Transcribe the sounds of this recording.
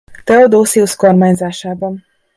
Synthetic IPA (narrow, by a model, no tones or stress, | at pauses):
t̪ɛod̪oːsiusko̞rmaːɲzaːʃaːbɒn